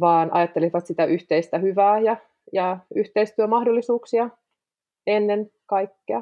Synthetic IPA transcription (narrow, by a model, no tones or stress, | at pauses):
ʋɑːnʔɑ̰jɑt̪ːeliʋɑt̪sit̪æʔyht̪eist̪æhyʋæːjɑ | jɑyht̪eist̪yømɑhdolːisuːksiɑ | enːenkɑikːeɑ